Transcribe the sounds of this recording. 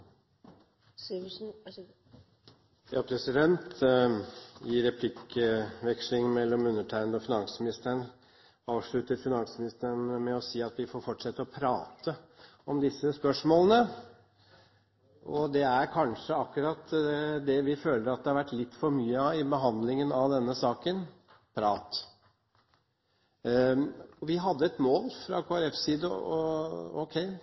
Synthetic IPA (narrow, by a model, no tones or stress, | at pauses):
jɑːpʰɾɛsɪd̪ɛnt̪ | jɪɾɛpʰlɪkəʋɛkʂlɪŋmɛlːɔmʉnːəʈʰæɪnd̪əɔfɪnɑŋsmɪnɪst̪əɳ | ɑːʋʂɭʉt̪əɾfɪnɑŋsmɪnɪst̪ənmɛɔsiːɑt̪ʋɪfɔːɾfɔʈʂɛt̪ːəɔpʰɾɑːt̪ʰə | ɔmd̪ɪsːəspœʂmoːlənə | ʔɔd̪ɛæɾkʰɑnʂəɑkːʉɾɑt̪ːd̪ɛʋɪføːləɾɑt̪̚d̪ɛhɑɾʋæʈːlɪt̪ːfɔɾmyːəɪbəɦɑnd̪lɪŋənɑʋd̪ɛnːəsɑːkən | pʰɾɑːt̪ | ɔʋɪɦɑd̪ːəɛt̪moːlfɾɑ̰kʰoːæɾɛfsiːd̪əɔ̰ɔ̰ʊkʰɛɪ